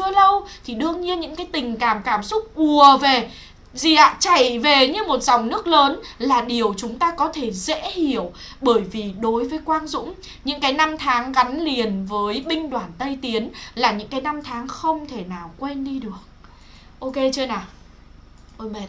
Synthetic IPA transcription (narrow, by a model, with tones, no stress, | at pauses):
ɨ˧ələ˧wt̪ʰi˨˩ɗɨ˧əŋɲi˧ənɲɨ̰˧˥ŋkaː˨˦jt̪ï˨˩ŋ̟kaː˧˩mkaː˧˩msʊ˦˥k͡p̚ɓu˨˩əve˨˩ | zi˨˩ʔa̰ː˧˨t͡ɕa˧˩jve˨˩ɲɨ˧mo˨˩t̚z̥a˨˩wŋ͡mnɨ˦˥ək̚ləː˨˦nlaː˨˩ɗi˨˩əwt͡ɕʊ˨˦ŋ͡mt̪aː˧kɔ˨˦t̪ʰe˧˩zḛ˧˥hi˧˩əwɓəː˧˩jvi˨˩ɗo˨˦jvəː˨˦jkwaː˧nzʊ̰˧˥ŋ͡m | ɲɨ̰˧˥ŋkaː˨˦jna˧mt̪ʰaː˨˦ŋɣa˨˦nli˨˩ənvəː˨˦jɓï˧ŋ̟ɗwaː˧˩nt̪ə˧jt̪i˨˦ənlaː˨˩ɲɨ̰˧˥ŋkaː˨˦jna˧mt̪ʰaː˨˦ŋxə˧wŋ͡mt̪ʰe˧˩naː˨˩wkwe˧nɗi˧ɗɨ˨˩ək̚ | ʔo˧ke˧t͡ɕɨ˧ənaː˨˩˧ | m˨